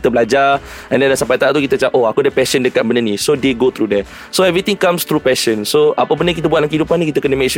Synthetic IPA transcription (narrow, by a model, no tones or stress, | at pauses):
it̪əbəlad͡ʒa | ɛ̃ndɛndasampajt̪aʔt̪ukit̪ət͡ʃaʔoakudəpɛʃəndəkat̪̚bənənĩsodeɡot̪ɾudɛ | soɛvɾit̪ĩŋkãmst̪ɾupɛʃənsoapəbəndək̬it̪̬əbuat̚lamkəidupanĩkit̪əkənəmẽs